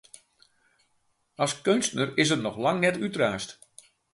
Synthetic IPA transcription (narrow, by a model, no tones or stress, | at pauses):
ɑskønstnərɪsətnɔxlaŋnɛtytraːst